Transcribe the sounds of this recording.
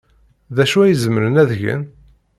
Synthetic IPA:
ðæʃuæjəzəməɾənæðʝə̰n

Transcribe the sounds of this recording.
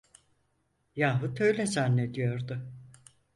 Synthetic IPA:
jaːɦɯt̪ʰø̞jlʲɛzanːed̪ijo̞ɾd̪ʊ

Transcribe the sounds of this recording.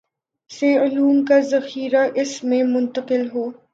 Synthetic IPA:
seʊluːmkazɐxiːɾaʔɪsmẽmʊ̃nt̪əqɪlɦoː

